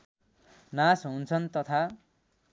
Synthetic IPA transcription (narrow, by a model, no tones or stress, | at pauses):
nasɦunt͡sʰʌnt̪ʌt̪ʰa